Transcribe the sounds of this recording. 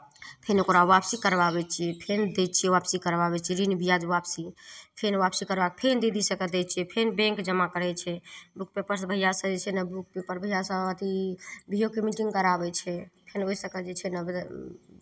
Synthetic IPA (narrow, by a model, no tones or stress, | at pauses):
pʰenokoɾaʋapsikəɾbabɛt͡ʃʰiɛpʰend̪ɛt̪̚t͡ʃʰiɛʋapsikəɾbabɛt͡ʃʰiɾinbʱijad͡ʒʋapsipʰenʋapsikəɾbakepʰend̪id̪isəkəd̪ɛtt͡ʃʰɛpʰenbɛ̃ŋkd͡ʒəmakəɾɛt͡ʃʰɛbuk̚pepəɾsbʱəijasəd͡ʒet͡ʃʰɛnəbuk̚pepəɾbʱəijasəət̪ibʱijokemiʈiŋɡkəɾabɛt͡ʃʰɛpʰenosəkəd͡ʒet͡ʃʰɛnə